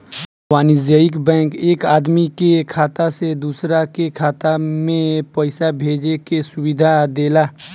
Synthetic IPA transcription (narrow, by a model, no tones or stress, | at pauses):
waːnɪzəɪkbɛ̃ːŋkeːkaːd̪mikekʰaːt̪ased̪uːsɾakekʰaːt̪amẽpəɪsabʱeːd͡ʒekesʊwɪd̪ʱad̪eːlaː